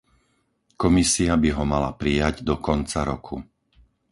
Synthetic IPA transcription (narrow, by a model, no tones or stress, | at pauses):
kɔmisiabiɦɔmala̰pɾijaɟd̪ɔkɔnt͡saɾɔkʰu